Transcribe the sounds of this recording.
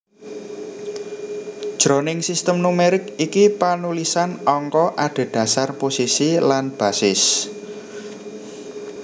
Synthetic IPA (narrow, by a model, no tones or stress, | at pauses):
ʒ̥ɾɔnɪŋsist̪əmnumeɾɪkikipanulisanɔŋkɔʔaɖ̥e̤d̥ä̤sarposisilanb̥a̤sɪs